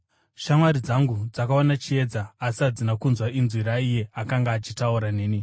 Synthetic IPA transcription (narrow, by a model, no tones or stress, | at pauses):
ʃamwaɾid͡zaŋɡud͡zakaonat͡ʃie̞d͡zaːsiad͡zinakunzwainzwiɾaije̞akaŋɡaːt͡ʃitauɾaneːni